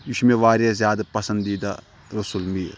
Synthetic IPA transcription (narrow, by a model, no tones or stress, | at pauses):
ʋiʃmeʋaːɾjazjaːd̪ɐpɐsɐ̃nd̪ːiːd̪a̰ | ɾusulmiːɾ